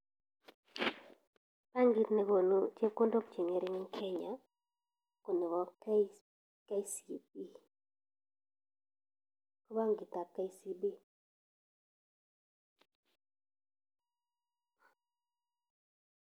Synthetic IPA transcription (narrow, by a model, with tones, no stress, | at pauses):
pa˦ŋɡi˦t̪ne˨˦ɡo˨nu˦t͡ʃe˦ko˦ndo˦kt͡ʃi˨ŋe˨ɾɪ˦ŋ˦kʰɛ˦ɲa˨ | ko˨nɛ˨wɔ˦ | ka˦i˦si˨bi˦ | ko˦ba˦ŋɡɪ˨t̪a˨kːa˦i˦si˦bi˦